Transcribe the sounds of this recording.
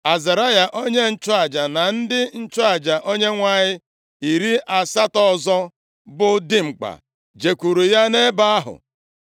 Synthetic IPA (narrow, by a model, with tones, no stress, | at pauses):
a˨za˨ɾa˦ja˨ʔo˦ɲe˦n̩˦t͡ʃʊ˦a˨d͡ʒa˨na˨n̩˦dɪ˦n̩˦t͡ʃʊ˦a˨d͡ʒa˨ʔo˦ɲe˦ŋʷa˨ɲɪ˦ | i˨ɾi˦ʔa˨sa˦tɔ˦zɔ˦ | bʊ˨dɪ˦ŋ͡m̩˨k͡pa̰˨ | d͡ʒe˨kʷu˨ɾu˨ja˦ne˦ba˦a˦ɦʊ̰˨